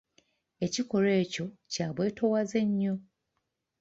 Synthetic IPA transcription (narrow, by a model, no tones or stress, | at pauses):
e̞ciko̞ɾe̞ːco̞caːβwe̞ːtʰo̞waze̞ɲːo